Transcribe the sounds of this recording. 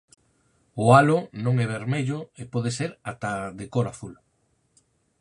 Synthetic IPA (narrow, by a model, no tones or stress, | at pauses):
ʊalʊnõŋɛβ̞eɾmeʎʊepɔðeseɾat̪aðekoɾaθul